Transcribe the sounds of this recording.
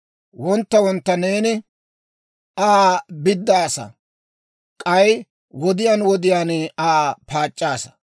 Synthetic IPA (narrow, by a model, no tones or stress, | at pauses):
wɔnt̪ːɐwɔnt̪ːɐne̞ːnɪ | aːbɪd̪ːaːsɐ̰ | kʼɐj | wɔd̪ɪjaːnwɔd̪ɪjaːnaːpaːt͡ʃʼːaːsɐ̥